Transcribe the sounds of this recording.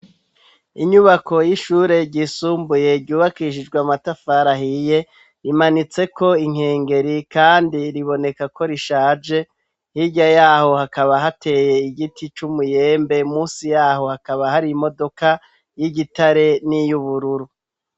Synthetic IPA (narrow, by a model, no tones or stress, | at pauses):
iɲuβako̞jiʃuːɾe̞ɟiːsuːmbuje̞ɾɟuːβakiʃ̬id͡ʒɡwamatafaɾahije̞ | ɾimanit͡se̞ko̞iŋ̥he̞ːŋɡe̞ɾikaːndiɾiβo̞ne̞kako̞ɾiʃaːd͡ʒe̞ | hiɟajaːho̞hakaβaɦatʰe̞ːje̞iɡitʰit͡ʃumuje̞ːmbe̞muːsijaːɦo̞hakaβahaɾimo̞do̞ka | jiɟitaɾe̞nijuβuɾuɾu